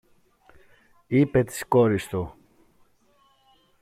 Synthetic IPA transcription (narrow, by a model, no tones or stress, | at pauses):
ipet̪i̥skoɾist̪u